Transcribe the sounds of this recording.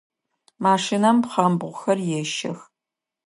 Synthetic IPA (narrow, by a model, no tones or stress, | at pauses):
maːʂinɐmpχɐmbʁʷʊxɐrjɛʃɐ̰x